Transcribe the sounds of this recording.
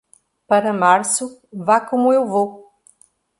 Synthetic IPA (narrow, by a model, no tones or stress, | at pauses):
pɐɾɐmaɾsʊvakomʊewvo